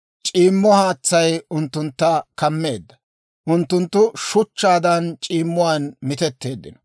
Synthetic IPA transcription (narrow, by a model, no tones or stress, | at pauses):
t͡ʃʼiːmːɔhaːt͡sːɐjʊnt̪ːʊnt̪ːɐkɐmːe̞ːd̪ːɐ | ʔʊnt̪ːʊnt̪ːʊʃʊt͡ʃːaːd̪ɐnt͡ʃʼiːmːʊwanmɪt̪ɛt̪ːe̞ːd̪ːɪnɔ